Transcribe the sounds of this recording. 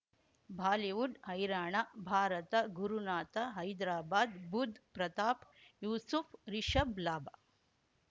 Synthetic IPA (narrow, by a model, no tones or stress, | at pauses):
bʱaːliʋuɖhɐjɾaːɳabʱaːɾɐt̪ɐɡuɾunaːt̪ɐɦɐjd̪ɾaːbaːd̪bud̪ʱpɾɐt̪aːpjuːsufʰɾiʃɐblaːba